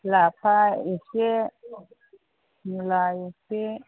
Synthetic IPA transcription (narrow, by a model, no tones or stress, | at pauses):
lapʰaiʃɪ | mulajiʃɪ